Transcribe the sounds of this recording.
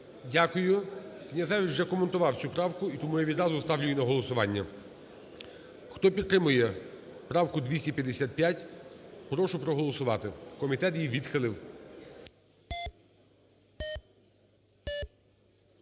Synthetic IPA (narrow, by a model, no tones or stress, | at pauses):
dʲakʊjʊknʲɐzɛʋʲiʒɛkɔment̪ʊʋɑw̪sʲupɾɑwkʊit̪ɔmujaʋʲid̪ɾɑzʊst̪ɑwlʲʊjinɐɦɔlˠɔsʊʋɑnʲːɐ | xt̪ɔpʲid̪̚t̪ɾɪmʊjɛ | pɾɑwkʊd̪ʲʋʲisʲipʲjɐd̪esʲat̪̚pʲjatʲpɾɔʃʊpɾɔɦɔlˠɔsʊʋɑt̪ɪkɔmʲit̪ɛt̪jiʋʲid̪xɪlˠɪw